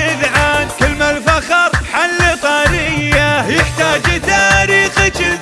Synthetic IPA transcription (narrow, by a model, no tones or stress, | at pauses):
ɪðʕaːnkɪlmalfaxɑɾˤħalːit̪ˤɑːɾɪjjajɪħt̪aːd͡ʒt̪aːɾiːxt͡ʃ